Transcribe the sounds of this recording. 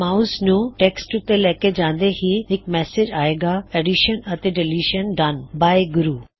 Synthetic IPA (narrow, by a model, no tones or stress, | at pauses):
mauznũːʈeːksʈt̪elɐɦked͡ʑãːnd̪ehiɦɪk̚mɛːsɪd͡ʑaːɦeːɡaeːɖiʃənɐt̪eɖeliːʃənɖanbaːeɡʊɾuː